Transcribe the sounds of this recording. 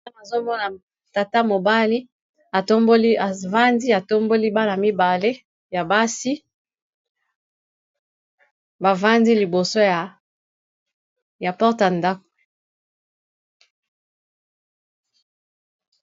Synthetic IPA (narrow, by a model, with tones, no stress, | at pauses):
na˨zo˦mɔ˦na˨ | ta˨ta˦mo˨ba˦li˦ | a˨to˦mbo˦li˦a˨va˦ndi˦a˨to˦mbo˦li˦ba˦na˨mi˦ba˨le˦ | ja˨ba˦si˦ | ba˨va˦ndi˦li˨bo˨so˦ja˨ | ja˨pɔ˦ʁta˨nda˦ko̥˨